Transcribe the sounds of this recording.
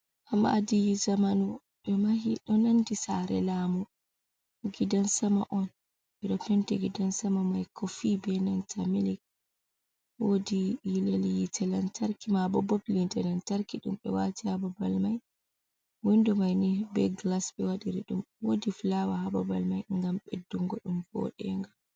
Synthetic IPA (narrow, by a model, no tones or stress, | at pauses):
hama̰dijizamanu | ɗɔmahiɗɔnandisaɾɛ̰laːmu | ɡidansama̰ʔɔn | ɓɛɗɔpɛntɛɡidansamamajkʰɔfibɛnantʰamilik̚ | wodijilelijitʰɛlantʰaɾkimabɔbɔplintɛlantaɾkiɗṵmɓɛwatihababalmaj | windumajnibɛɡlasɓɛwaɗiɾiɗumwodiflawahababalmajŋɡamɓedːuŋɡɔɗumbɔ̰ɗɛŋɡa